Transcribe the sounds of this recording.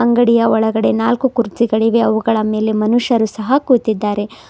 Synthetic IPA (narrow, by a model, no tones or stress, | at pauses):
ɐŋɡɐɽijɐɔɭɐɡɐɽe̞naːlkukuɾd͡ʒiɡɐɭiʋe̞ɐʋuɡɐɭɐme̞ːle̞mɐnuʂɐɾusɐɦɐkuːt̪id̪ːaːɾe̞